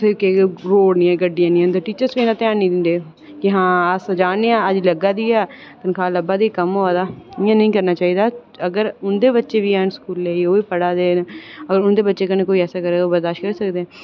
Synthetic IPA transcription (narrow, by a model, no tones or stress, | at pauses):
sekeɾoːɽnĩːɛ̃ːɡəɖːijãːnĩːənd̪əʈiːt͡ʃəɾsʋiːnãːt̪jaːnnĩd̪ɪnd̪eː | kɪɦãːaːsd͡ʒaːneːãːəd͡ʒləɡaːd̪iːɛː | t̪ənkʰaːləbaːd̪iːkəmɦoːaːd̪aːɪãːnəĩːkəɾnaːt͡ʃaːiːd̪aː | əɡəɾʊnd̪eːbətːʃeːʋiːɛːnskuːlːeːioːiːpəɽaːd̪eːnəɡəɾʊnd̪eːbətːʃeːkənẽːkoːiːɛːsaːkəɾeːoːbəɾd̪aːʃʈkəɾiːsəkd̪eɛ̃ː